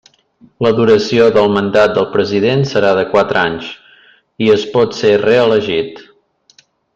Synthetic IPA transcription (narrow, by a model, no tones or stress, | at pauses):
ləðuɾəsioðəlˠmənd̪at̪̚d̪əlˠpɾəziðensəɾaðəkwat̪ɾaɲs | iəspɔt̪sereələʒit̪